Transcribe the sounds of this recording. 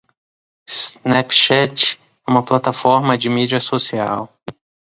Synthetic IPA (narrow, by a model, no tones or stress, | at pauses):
snɛpʃɛt͡ʃ | ɛũmɐplat̪afɔɾmɐd͡ʒɪmid͡ʒiɐsosia̰w